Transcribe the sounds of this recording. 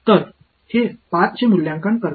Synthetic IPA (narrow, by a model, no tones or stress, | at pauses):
t̪əɾ | hepat̪̚t͡ɕemuljãŋkaɳkəɾ